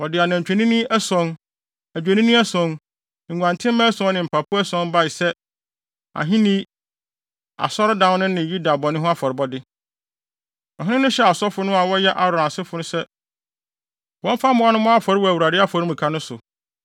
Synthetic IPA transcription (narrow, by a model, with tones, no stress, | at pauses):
wɔ˨dɪ˨a˨nã˨ɲ˨t͡ɕᶣɛ˨nĩ˦nĩ˦ʔɛ˦sɔ̃˦n | æ˨d͡ʑᶣe˨nĩ˦nʊ̃˦ɛ˦sɔ̃˨˦n | ŋ̩˨ɡʷã˨ntʰɪ̃˦mã˦sɔ̃˦nɪ̃˨m̩˨pʰa˨pʰʊ˦ɛ˦sɔ̃˦n˦ba˦ɪ˨sɛ˦ | a̰˨ɦĩ˦nĩ˦ | a̰˨sɔ˦ɾdã˦n˦nʊ̃˦nɪ̃˨ju˦da˨bɔ˨nʊ̃˦ɦʊ̃˦a˦fɔ˨ɾɪ˨˦bɔ˦dɪ˦ | ɔ̃˨ɦɪ̃˦nɪ̃˦nʊ̃˦ɕɛ˦a˨sɔ˦fʊ˦nʊ̃˦a˨wɔ˦jɛ˦ʔa˨ɾʊ˨ã˨sɪ˦fʊ˨nʊ̃˦sɛ˦ | wɔ̃˦m˦fa˦mʊ̃˦a˦nʊ̃˦mɔ̃˦a˦fɔ˨ɾɪ˦wɔ˦æ˨wu˨ɾa˨dɪ˦a˦fɔ˨ɾi˦mũ˨kʰa˦nʊ̃˦sʊ̰˨